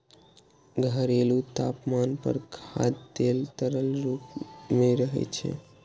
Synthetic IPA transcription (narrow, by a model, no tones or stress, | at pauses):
ɡʱəɾelut̪apmanpə̰ɾkʰa̰d̪d̪elt̪əɾəlɾupmeɾəɦɛ̰t͡ʃʰɛ̰